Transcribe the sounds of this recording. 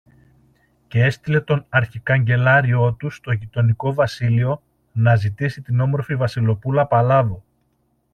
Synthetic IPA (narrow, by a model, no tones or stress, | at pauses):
cee̞st̪ile̞t̪o̞nɐɾçikɐɲɟe̞lɐɾio̞t̪ust̪o̞ʝit̪o̞niko̞vɐsilio̞ | nɐzit̪isit̪ino̞mo̞ɾfivɐsilo̞pulɐpɐlɐðo̞